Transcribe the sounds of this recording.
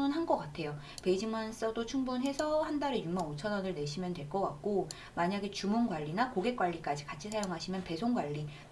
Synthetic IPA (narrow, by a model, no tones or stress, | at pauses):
nɯnɦanɡʌk͈atʰe̞jo | pe̞id͡ʑiŋans͈ʌdot͡ɕʰuŋbunɦesʰʌhandaɾejumaot͡ɕʰʌnʌnɯɭne̞ɕʰimjʌntwe̞ɭk͈ʌk͈ak̚k͈o | maɲaɡet͡ɕumunɡwaʎːinakoɡe̞k͈waʎːik͈ad͡ʑikat͡ɕʰisʰajoŋɦaɕʰimjʌnpe̞sʰoŋɡwaʎːi